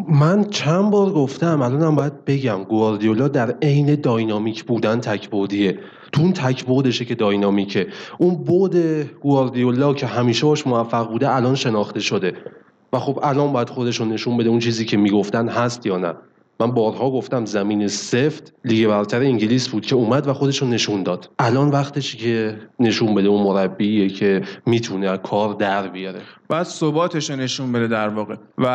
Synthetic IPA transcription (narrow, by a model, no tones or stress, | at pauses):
mænt͡ʃʰænbɒːɾɡoft̪æmælɒːnæmbɒːjæd̪̚be̞ɟæmɡoɾd̪ijolːɒːd̪æɾe̞jne̞d̪ɒːjnɒːmiːcʰbuːd̪ænt̪ʰæcʰbod̪ie | t̪ʰuunt̪ʰæcʰbod̪e̞ʃece̞d̪ɒːjnɒːmicʰeʔunbod̪e̞ɡ̥uɑɾd̪ijolːɒːcʰe̞ɦæmiːʃebɒːʃmovæfːæɣbuːd̪eælɒːnʃe̞nɒːχt̪e̞ʃo̞d̪e̞ | væxo̞bælɒːnbɒːjæd̪̥xo̞d̪e̞ʃone̞ʃunbe̞d̪eunt͡ʃʰiːziːcʰe̞miːɡo̞ft̪ænɦæst̪jɒːnæ̰ | mænbɒːɾɦɒːɡo̞ft̪æmzæmiːne̞se̞ft̪liːɡe̞βæɾt̪ʰæɾeiŋɟiliːsbuːd̪̥cʲʰeuːmæd̪væxo̞d̪e̞ʃone̞ʃund̪ɒːd̪̥ʔælɒːnvæχt̪eʃcʰe̞ne̞ʃumbe̞d̪eunmo̞ɾæbːiːecʰe̞miːt̪ʰunekʰɒːɾd̪æɾbijɒɾḛb̥d̪sobɒːt̪ʰeʃone̞ʃunbed̪ed̪æɾvɒːɣevæ